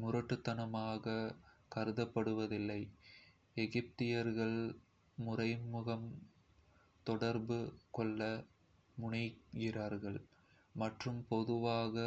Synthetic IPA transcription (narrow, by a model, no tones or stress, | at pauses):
mʊɾɐʈːɯt̪ːɐnɐmaːɣɐkɐɾɯðɐpːɐɽɯʋɐðɪlːɐɪ | ɛɣɪp̚t̪ɪjɐɾɣɐɭ | mʊrɐɪmɯɣɐm | t̪ɔɽɐɾbɯkɔɭːɐ | mʊɳɪɡɪraːɾɣɐɭ | mɐʈrɯmpɔðɯʋaːɣɐ